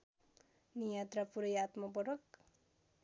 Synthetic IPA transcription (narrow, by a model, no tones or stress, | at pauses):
nijat̪rapuɾʌjat̪mʌpʌʈʌk